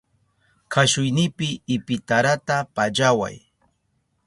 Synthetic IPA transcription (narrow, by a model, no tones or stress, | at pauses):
kʰaʃʊjnɪpɪːpɪt̪aɾat̪apaʎawa̰j